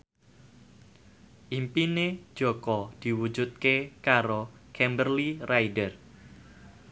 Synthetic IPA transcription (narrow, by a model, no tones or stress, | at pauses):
ʔimpined̥ʒ̥okɔd̪̥i̤wu̥d͡ʒut̪̚kekaɾokʰɛmbərliraidər